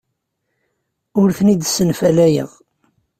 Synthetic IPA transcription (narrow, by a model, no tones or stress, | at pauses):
ʊɾθənid̪sənfælæjə̰ʁ